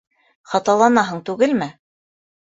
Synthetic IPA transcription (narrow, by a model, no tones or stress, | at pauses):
χɑt̪ɑlˠɑnɑɦɤɴt̪ʉɡɘlmɘ